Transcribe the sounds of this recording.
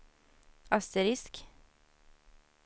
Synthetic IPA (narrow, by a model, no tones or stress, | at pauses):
ɑst̪əɾɪsk